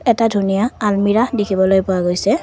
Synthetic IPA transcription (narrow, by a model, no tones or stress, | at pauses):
ɛtadʱunijaːlmiɹadikʰibɔlojpʊwaɡojsɛ